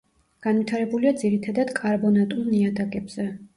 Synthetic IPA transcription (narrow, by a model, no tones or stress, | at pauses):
ɡ̥anvit̪ʰaɾɛbuliad̪ziɾit̪ʰad̪ad̪̥kʼaɾbɔnat̪ʼulˠniad̪akʼɛbz̥ɛ